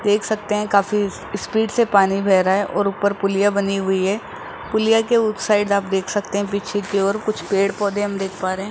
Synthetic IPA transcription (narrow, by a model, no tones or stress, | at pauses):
d̪eːkʰsɐk̚t̪eɦɛ̃kaːfi | spiːɖsepaːnibʱɛːɾaɛʔɔːɾʊpəɾpʊlɪjabɐniɦʊiɦɛː | pʊlijakeʊksaːɪɖd̪aːp̚d̪eːkʰsɐk̚t̪eɦɛ̃piːt͡ʃʰekeɔːɾkʊt͡ʃʰpeːɽpɔːd̪ẽɦɐ̃md̪eːkʰpaːɾeɦɛ̃